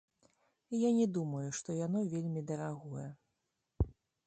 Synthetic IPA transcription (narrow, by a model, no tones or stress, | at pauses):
janʲɛd̪umɐjuʂt̪ɔjanɔvʲelʲmʲid̪ɐɾaɣɔjɛ